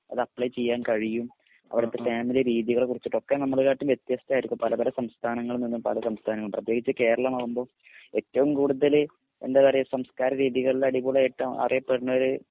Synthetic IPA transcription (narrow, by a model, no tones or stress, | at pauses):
ɐ̰ðɨɐpɭɐjt͡ɕe̞jːaːnkɐɻijum | ɐ̰ʋiɽɐt̪ːe̞faːmileɾiːðjiɣɐɭkurit͡ɕːiʈːo̞kːenɐmːɐɭkaːʈːumʋjet̪jɐst̪ɐaːjiɾikːumpɐlɐpɐlɐsɐmst̪ʰaːnɐŋːɐɭɨninːupɐ̰lɐsɐmst̪ʰaːnɐŋːɐɭprɐt̪ːje̞ːɡit͡ɕːɨke̞ːɾɐɭɐmaːɣumbo̞ː | e̞tːɐʋumkuːɽuðɐl | ḛndeðɐrijɐsɐmskaːɾɐɾiːðiɣɐɭilɐɽibuːɭɐeʈːɐumʔɐ̰rijɐpːeɽinːɐoɾɨ